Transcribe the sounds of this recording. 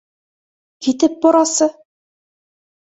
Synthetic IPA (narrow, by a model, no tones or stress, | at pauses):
kit̪ɘp̚boɾɑsɤ